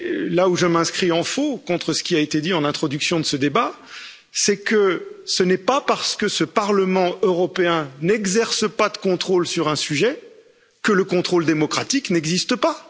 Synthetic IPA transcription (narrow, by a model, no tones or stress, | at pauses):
lauʒəmɛ̃skχiɑ̃fokɔ̃t̪χəsə̥kʲiaet̪ed̪iɑ̃nɛ̃t̪χɔd̪yksjɔ̃d̪əsəd̪eba | sɛkəsənɛpapaʁsə̥kəsəpaʁləmɑ̃øʁɔpeɛ̃nɛɡzɛʁsəpad̪əkɔ̃t̪χolsyʁɛ̃syʒɛ | kələkɔ̃t̪χold̪emɔkχat̪iknɛɡzist̪əpa